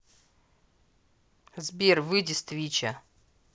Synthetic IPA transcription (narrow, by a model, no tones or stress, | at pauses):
zbʲervɨdʲɪst̪vʲit͡ɕɐ